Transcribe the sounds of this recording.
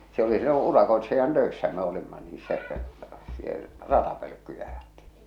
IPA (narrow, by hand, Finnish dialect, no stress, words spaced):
se oli silːo urɑkoetsijɑn tøesːæ me olimːɑ niː se sie rɑtɑpølø̆kːyjæ ɑ̥j̊e̥tːi̥ː